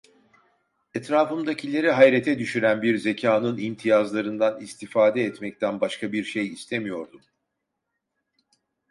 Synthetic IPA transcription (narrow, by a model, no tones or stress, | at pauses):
ɛt̪ɾaːfɯmd̪acʰilʲe̞ɾiɦajɾet̪ʰɛd̪yʃyɾænbiɾze̞cʰaːnɯnimt̪ʰijazlˠaɾɯnd̪anist̪ʰifaːd̪ɛːt̪mɛct̪ʰænbaʃkʰabiɾʃejist̪ʰemijo̞ɾd̪u